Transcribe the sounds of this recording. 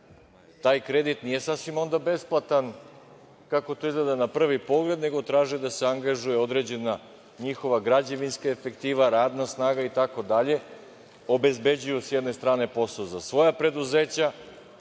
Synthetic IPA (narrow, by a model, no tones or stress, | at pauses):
t̪aːjkɾe̞d̪it̪nije̞sasʋimo̞nd̪abe̞splˠat̪an | kako̞t̪oizled̪anapr̩ʋipo̞ɡle̞d̪ne̞ɡo̞t̪ɾaːʒid̪aseaŋɡaʒuje̞o̞d̪ɾe̞d͡ʑe̞na | ɲixo̞ʋaɡɾad͡ʑeʋinskaefe̞kt̪iːʋaɾaːd̪nasnaːɡait̪ako̞d̪aʎe̞ | o̞be̞zbe̞d͡ʑujusjed̪ne̞st̪ɾaːne̞po̞sozasʋo̞japɾe̞d̪uze̞ːt͡ɕa